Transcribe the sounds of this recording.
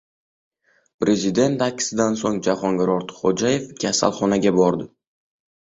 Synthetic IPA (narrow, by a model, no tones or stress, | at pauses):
pɾe̞zɪd̪e̞nt̪akʲʰːɪ̥sɪd̪ansoŋd͡ʒaχɒŋɡʲɪɾɒɾt̪χod͡ʒaje̞fkʲʰasa̰lˠχɒnaɡʲabɒɾd̪ɪ